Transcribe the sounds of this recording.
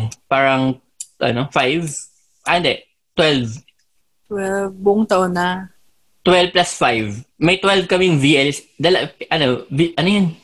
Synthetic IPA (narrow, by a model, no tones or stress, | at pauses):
paːɾɐŋ | ʔɐ̰nofajv | ʔaɪnd̪ɛʔ | t̪wɛlv | t̪wɛlvbʊʔʊŋt̪ɐʔonːa | t̪wɛlvplasfajvmɐjt̪wɛlvkɐmɪŋviʔɛls | d̪alɐʔɐnoviʔɐnojon